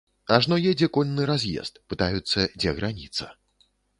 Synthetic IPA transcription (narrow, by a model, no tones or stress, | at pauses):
aʐnɔjɛd͡zʲɛkɔlʲnːɨɾazʲjɛ̰st̪pɨt̪ajut̪sːɐd͡zʲɛɣɾanʲḭt̪sɐ